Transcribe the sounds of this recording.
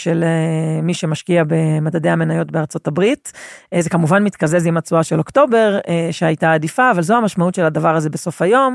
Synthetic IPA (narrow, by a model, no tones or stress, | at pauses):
ʃelemiʃe̞maʃkiabe̞madadejhame̞najo̞tbeaʁt͡so̞tabʁitzekamuvanmit̪kazezimat͡suaʃelo̞kto̞be̞ʁʃeajtaːdifaːvalzohamaʃmautʃe̞ladavaʁaze̞beso̞fajo̞m